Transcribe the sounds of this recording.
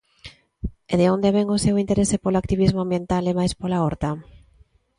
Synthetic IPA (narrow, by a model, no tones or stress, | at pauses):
eðeond̪eβeŋʊsewint̪eɾesepoloak̚t̪iβizmʊambjent̪alemajspolaɔɾt̪a